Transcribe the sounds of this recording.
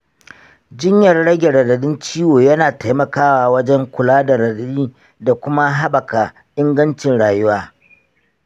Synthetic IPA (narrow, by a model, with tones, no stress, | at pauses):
d͡ʒɪ˦ɲjɐ˨rɽɐ˦ɡʲe˨ɽɐ˨dɐ˨ɗɪ˦nt͡ʃiː˦woː˨jɐ˦naː˨ta˦jmɐ˨kaː˦waː˨wɐ˦d͡ʒɛ˦ŋkʷʊ˨laː˦da˨ɾɐ˨dɐ˨ɗiː˦ | da˨kʷʊ˦ma˦ɦa˦bɐ˨ka˨ | ʔɪ˦ŋɡɐ˦nt͡ʃɪ˨nɽaː˨jʊ˦waː˦